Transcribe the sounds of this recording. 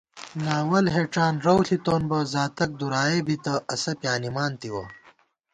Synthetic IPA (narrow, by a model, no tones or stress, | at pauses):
naːwɐlɦeːʈ͡ʂaːnɾɐwɬit̪oːnbɐzaːt̪ɐk̚d̪uɾaːeːbit̪ɐɐsɐpjaːnimaːnt̪iwɐ̰